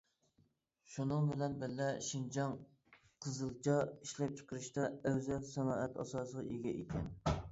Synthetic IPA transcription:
ʃunɨŋbɪlɛnbɪlːɛʃind͡ʒɑŋ | qʰəzɨlˠt͡ʃʰɑiʃlɛp̚t͡ʃʰə̥qʰəɾɨʃt̪ɑøwzɛlsɛnɑːʔɛt̪ɑ̰sɑːsəʁɑʔeɡʲɛʔekʲʰɛn

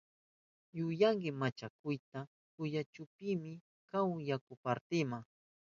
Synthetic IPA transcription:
jʊjaŋɡɪmat͡ʃakʊjt̪a | kʊjat͡ʃʊpɪmɪ | kawjakʊpaɾt̪ɪmaŋ

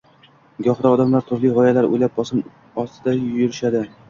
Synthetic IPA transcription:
ɡɒhd̪aɒd̪amlaɾt̪ʰʊɾlijʁɒjalaɾo̰jlap̚bɒsɪm | ɒst̪ɪd̪ajʊɾɪʃad̪ɪ

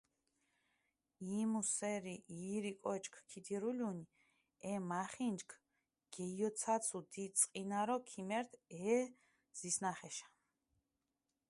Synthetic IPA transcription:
imusɛɾiiɾikʼɔt͡ʃkʰkʰid̪iɾulʲun | ɛmaχind͡ʒkʰ | ɡ̥ɛjɔt̪sʰat̪sʰud̪isʼqʼinaɾɔkʰimɛɾt̪ʰɛ | z̥isnaχɛʃḁ

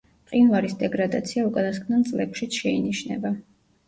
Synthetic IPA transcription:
qʼinvaɾisd̪ɛɡɾad̪at̪sʰiaukʼanaskʰnant̪sʼlɛkʰʃit̪sʃɛiniʃnɛ̰ba

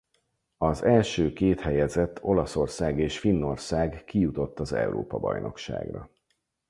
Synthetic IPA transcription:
ɒzɛlʃøːkeːt̪hɛjɛzɛt̪ʰːo̞lɒso̞rsaːɡeːʃfinːo̞rsaːɡkijut̪o̞t̪ːɒzɛ̰uɾo̰ːpɒbɒ̰jnʔo̞̰kʃa̰ːɡrɒ̰

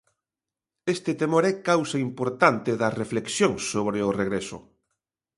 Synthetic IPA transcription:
est̪et̪emoɾɛkawsaimpoɾt̪ant̪ɪðɐrefleksjoŋsoβɾeʊreɣɾesʊ̰

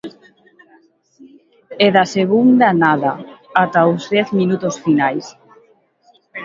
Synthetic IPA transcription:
eðaseɣund̪anaðaat̪aozðɛθminut̪osfinajs

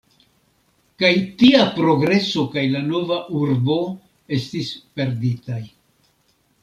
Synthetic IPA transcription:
kajtiapɾo̞ɡɾe̞so̞kajlano̞vaʔuɾbo̞ | e̞stispe̞ɾditaj

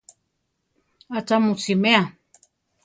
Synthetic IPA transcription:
at͡ʃamut͡simea

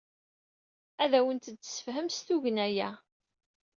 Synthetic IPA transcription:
æðæwənt̪d̪sə̥fɦəmsθuʝənæjæ

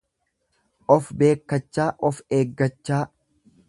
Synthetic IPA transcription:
ʔɔfbe̞ːkːɐt͡ʃːaːʔɔfeːɡːɐt͡ʃːaː

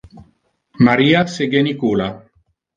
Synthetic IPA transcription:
maɾiːaseɡenikuːla

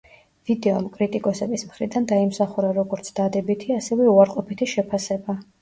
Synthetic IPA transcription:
v̥id̪ɛɔmkʼɾit̪ʼikʼɔsɛbismχɾid̪and̪aimsaχuɾaɾɔɡɔɾt̪sʰd̪ad̪ɛbit̪ʰiasɛvɛuaɾqʼɔpit̪ʰiʃɛpʰasɛba

